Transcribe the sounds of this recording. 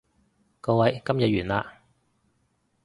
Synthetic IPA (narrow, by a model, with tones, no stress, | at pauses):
kɔː˧wɐ˨˧˥jkɐ˥mjɐ˨t̚ɥyː˨˩nlaː˧